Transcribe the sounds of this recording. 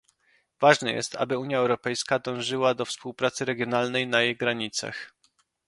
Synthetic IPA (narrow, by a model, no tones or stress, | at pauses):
vaʐnɛjɛ̰st̪ʰa̰bɘuɲjaɛwɾɔpɛjskad̪ɔ̃w̃ʐɘwad̪ɔfspuwpɾat̪sɘɾɛɡʲjɔnalnɛjnajejɡɾaɲit̪sa̰x